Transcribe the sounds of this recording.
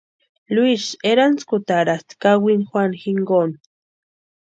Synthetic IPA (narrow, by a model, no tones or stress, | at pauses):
luiʃeɾanskut̪aɾast̪kawinxwanxiŋɡon